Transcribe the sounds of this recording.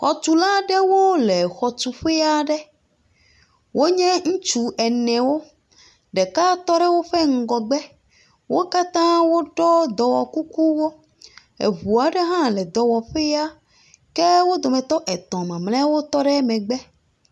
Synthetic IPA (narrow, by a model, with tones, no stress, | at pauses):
xɔ˨t̪u˨la˦ɖɛ˦wo˦le˨xɔ˨t̪u˨ɸe˦ja˦ɖɛ˦ | wo˦ɲɛ̃˦ŋ̩̃˦t͡ʃu˨ʔɛ˨nɛ̃˨wo˦ | ɖɛ˨ka˦t̪ɔ˦ɖɛ˦wo˦ɸɛ˦ŋ̩˦ɡɔ˨ɡ͡bɛ˦ | wʔo˦ka˦t̪ã˦wo˦ɖɔ˦d̪ɔ˨wɔ˨ku˦ku˦wo˦ | ḛ˨βu˨a˨ɖɛ˦ɦã˦lɛ˨d̪ɔ˨wɔ˨ɸe˦ja˦ | kɛ˦wo˦d̪ɔ˨mɛ̃˨t̪ɔ˦ʔɛ˨t̪ɔ̃˨mã˨mlɛ̃˦wo˦t̪ɔ˦ɖɛ˦mɛ̃˨ɡ͡bɛ˦